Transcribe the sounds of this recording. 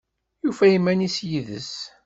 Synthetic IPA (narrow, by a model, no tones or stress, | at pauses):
jufæjəmːænisjiðə̰s